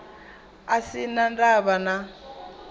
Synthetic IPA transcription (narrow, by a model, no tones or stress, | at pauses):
asinandaβana